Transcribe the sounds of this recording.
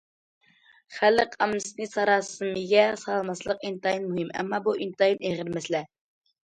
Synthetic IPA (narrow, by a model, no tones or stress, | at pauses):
χælɪqʰɑmːɨsɨnɨsɑɾɑːsɨmɨɡʲɛsɑlˠmɑslˠəq̚int̪ɑjinmuɦɨmɛ̰mːɑbuint̪ɑineʁɪɾmɛslɛ